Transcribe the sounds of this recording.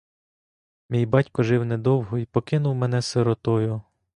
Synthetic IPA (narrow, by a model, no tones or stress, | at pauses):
mʲijbɑtʲkɔʒɪwned̪ɔwɦɔipɔkɪnʊwmɛn̪ɛseɾɔt̪ɔjʊ